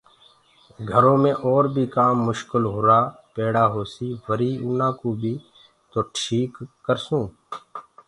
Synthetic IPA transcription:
ɡʱəɾõːmẽːʔɔːɾbʱiːkaːmːʊʃkɪlɦoːɾaː | peːɽaːɦoːsiːʋəɾiːuːnãːkuːbʱiː | t̪oːʈʰiːkːəɾsũː

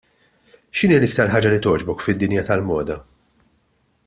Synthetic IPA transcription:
ʃɪniːɐlɪk̚t̪ɐɾħɐːd͡ʒɐlit̪ɔːd͡ʒbɔkfɪd̪ːɪnjɐt̪ɐlmɔːd̪ɐ

